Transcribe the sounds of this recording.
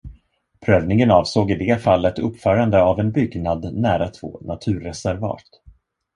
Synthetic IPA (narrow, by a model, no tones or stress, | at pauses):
pʰɾøːvnɪŋənɑːvsoːɡɪd̪ɛːfalːət̪ɵpːfœːɾand̪əavɛnbʏɡnad̪næːɾat̪ʰvo̰ːnʔat̪ʰʉ̟ːɾɛsæɾvɑ̰ːʈ̪